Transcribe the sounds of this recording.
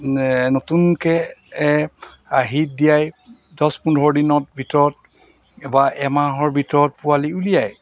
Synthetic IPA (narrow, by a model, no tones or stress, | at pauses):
notunkɛ | aɦit̚dijaj | dɔspundʱɔɹdinɔt̚bʱitɔɹɔt̚ | ɛbaʔɛmaɦɔɹbʱitɔɹɔt̚pualiulijaj